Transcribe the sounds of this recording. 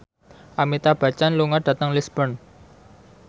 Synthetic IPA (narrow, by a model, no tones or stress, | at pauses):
ʔamit̪ab̥ä̤t͡ʃanluŋaɖ̥ä̤t̪əŋlisb̥ən